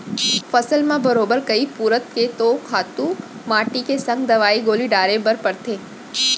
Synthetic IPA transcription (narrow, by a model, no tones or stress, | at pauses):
fɐsəlmãbəɾoːbəɾkɐipuːɾət̪ket̪okʰaːt̪ũ | maːʈikesɐ̃ŋɡd̪ɐʋaːiɡoːliɖaːɾebəɾpəɾt̪ʰeː